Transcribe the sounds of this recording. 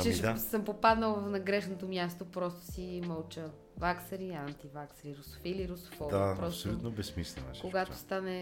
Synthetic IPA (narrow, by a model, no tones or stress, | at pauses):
t͡ʃɛiʃasəmpopad̪nəlˠvɐfnɐɡɾɛʃnot̪omjast̪opɾɔst̪o̥simɐlˠt͡ʃə | vaksɐɾiant̪ivaksɾiɾoso̥filiɾoso̥fɔd̪apɾɔssolʲutt̪nobɛsmislɛ̰a̰ʃkoɡat̪o̥st̪anɛ